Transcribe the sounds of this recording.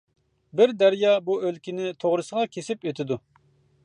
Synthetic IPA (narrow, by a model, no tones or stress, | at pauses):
bɪɾd̪æɾjɑbuølkʲinɪt̪ʰoʁɾɨsəʁɑkʲʰesɪpet̪ʰɪd̪u